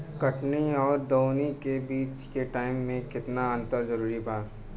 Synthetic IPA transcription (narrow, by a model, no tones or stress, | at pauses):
kɐʈniɔːɾd̪oːnikebiːt͡ʃkeʈaːɪmːẽkɪt̪naə̃nt̪əɾzɐɾuːɾibaː